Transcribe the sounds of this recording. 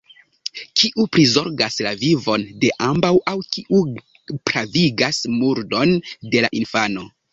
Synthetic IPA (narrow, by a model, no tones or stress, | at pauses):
kʰiʔupɾizo̞ɾɡaslavivo̞nde̞ʔambawʔawkiʔu | pɾaviɡasmuɾdo̞nde̞la̰ʔinfano̞